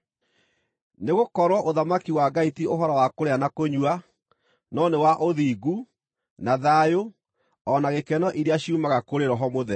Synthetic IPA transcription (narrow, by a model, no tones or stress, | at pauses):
neɣokɔɾwɔʔoðamakiwaɡaitioɦɔɾɔwakoɾeanakoɲwa | nɔnewaʔoðiːɡu | naðajo | ɔnaɣekɛnɔʔiɾeaɕiumaɣakoɾeɾɔɦɔmoðɛ